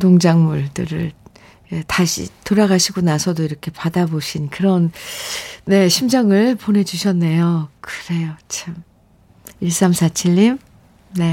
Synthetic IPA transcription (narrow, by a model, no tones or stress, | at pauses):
doŋd͡ʑaŋmuɭdɯɾɯ̰ɭ | etaɕʰḭtoɾaɡaɕʰiɡonasʰʌdoiɾʌkʰe̞padaboɕʰinkɯɾʌnː | e̞ɕʰimd͡ʑʌŋɯɭpone̞d͡ʑuɕʰʌnːe̞jokɯɾe̞jot͡ɕʰam | iɭs͈amsʰat͡ɕʰiʎːim | ne̞